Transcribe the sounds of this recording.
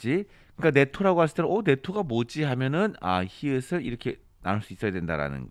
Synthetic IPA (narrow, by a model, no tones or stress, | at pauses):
i | kɯɯk͈ane̞tʰoɾaɡoɦaɭs̬͈ɯ̥t͈eone̞tʰoɡamod͡ʑiɦamjʌnɯna̰çiɯsʰɯɾiɾʌkʰe̞ | na̰nɯɭs͈uis͈ʌjadwe̞nda̰ɾa̰nɯ̰nɡʌ